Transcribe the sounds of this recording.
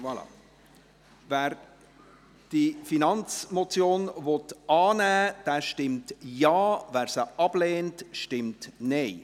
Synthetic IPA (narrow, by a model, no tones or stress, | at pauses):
ʋɑlɑ̰ | væːɾ | d̥ifinɑnt͡smot͡sjoːnvɔtɑːnæːd̥ɛːʃtɪmtjɑːʋæːɾsəʔɑb̥leːntʃtɪmtnɛɪ